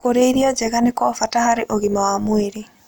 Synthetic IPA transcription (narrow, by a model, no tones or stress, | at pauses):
koɾeiɾiɔd͡ʒeɣanekɔfatahaɾeʔoɣimawamweɾe